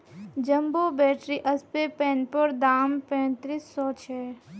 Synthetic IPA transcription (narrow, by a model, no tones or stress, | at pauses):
d͡ʒəmboːbɛːʈɾiʔɐspepɛ̃ːnpoɾd̪aːmpɛ̃ːt̪ɾiːsːɔːt͡ʃʰɛː